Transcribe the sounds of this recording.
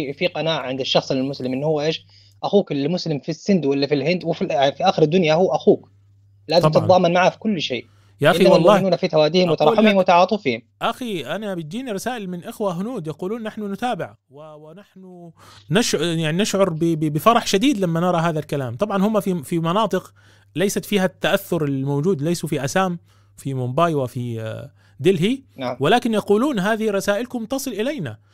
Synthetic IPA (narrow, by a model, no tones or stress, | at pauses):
fiqɑnaːʕʕɪnd̪ɪʃːɑxsˤɪlːɪlmʊslɪmʔɪnːhʊwːʔeːʃ | ʔaxuːkɪlmʊslɪmfisːɪnd̪wɪlːifilɦɪnd̪wɪfifiʔaːxɪɾɪd̪ːʊnjahʊːʔaxuːk | laːzɑmt̪ɑt̪ðˤɑːmanmaʕafi̥kʊlːʃḛːʔ | jaʔaʔawalmˤːɑːnuːnafit̪awaːd̪iːhɪmwɪt̪ɑɾˤɑħʊmhɪmwɪt̪aɑʕɑːt̪ˤufiːhɪmʔaxiʔanabɪt̪̚d͡ʒ̪iːniɾˤɑsaːʔɪlmɪnʔɪxwaɦʊnuːd̪jɑquːluːnːaħnʊnʊt̪aːbɪʕ | wɪwɪnaħnʊnɪʃjaʕninɪʃʕʊɾˤbɪbbɪfɑɾˤɑħʃad̪iːd̪lamːanɪɾˤɑɦaːðalkalaːmt̪ˤɑbʕɑnhʊmːafifimɑnɑːt̪ˤɨq | lajsat̪fiːhat̪ːaʔaθːʊɾɪlmowd͡ʒuːd̪lajsufiʔasaːm | fimʊmbaːjwafi | d̪ɪlɦinwɪlaːkɪnjɑquːluːnɦaːðɪhiɾˤɑsaːʔɪlkʊmt̪ɑsˤɨlʔɪlajna